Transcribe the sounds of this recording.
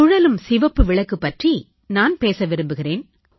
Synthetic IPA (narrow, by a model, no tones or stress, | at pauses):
ʊɻɐlɯmsɪʋɐpːɯʋɪɭɐkːɯpːɐʈri | naːnpeːsɐʋɪɾɯmbɯɣɪreːn